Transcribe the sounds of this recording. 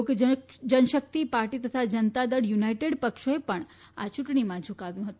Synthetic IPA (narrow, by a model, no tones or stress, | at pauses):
k | d͡ʒənʃək̚t̪ipaɾʈit̪ət̪ʰad͡ʒənt̪ad̪əɽjunaiʈeɽpəkʃoepəɳ | a̰t͡ʃũʈɳimãd͡ʒʱukaʋjũɦət̪ũ